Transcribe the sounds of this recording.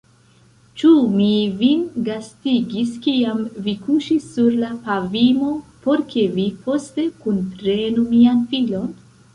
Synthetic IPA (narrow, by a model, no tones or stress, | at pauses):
t͡ʃumivinɡastiɡiskiamvikuʃisːuɾlapavimo̞po̞ɾke̞vipo̞ste̞kunpɾe̞numianfilo̞n